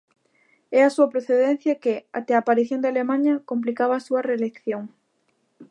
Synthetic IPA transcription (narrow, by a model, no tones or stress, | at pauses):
ɛasuɐpɾoθeðɛn̟θjɐkea̰t̪ɛaːpaɾiθjõnd̪ɪalemãɲɐkomp̬likaβaːsuɐrelekθjoŋ